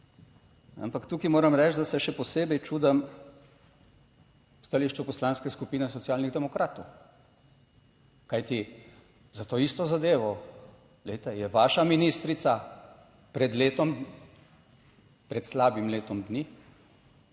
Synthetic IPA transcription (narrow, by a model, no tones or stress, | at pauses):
a̰mpakt̪uːkimoːɾɐmɾɛt͡ʃd̪asɛʃɛpɔseːbɛjt͡ʃuːd̪ɐm | st̪aliːʃt͡ʃupɔslaːnskɛskupiːnɛs̬ɔt̪siaːlniɣd̪ɛmɔkɾaːt̪ɔw | kajt̪i | zat̪oːiːst̪ɔzad̪eːʋɔ | lejt̪ɛjɛʋaːʃaminiːst̪ɾit̪sa | pɾɛd̪leːt̪ɔm | pɾɛt̪slaːbimleːt̪ɔmd̪ni